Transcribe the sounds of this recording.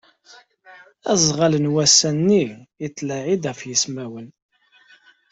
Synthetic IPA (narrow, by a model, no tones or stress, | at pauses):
æzˤʁalənwæsænːiət͡s̪ːlæʕid̪æfjəsmæwən